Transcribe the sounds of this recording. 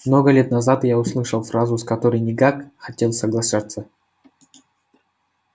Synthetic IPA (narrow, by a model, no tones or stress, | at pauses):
mno̞ɡəlʲe̞t̪nɐzat̪jaʊslˠɨʂəlˠfɾazʊskɐt̪oɾəjnʲɪkakxɐtʲe̞lˠsəɡlˠɐʂat̪sːə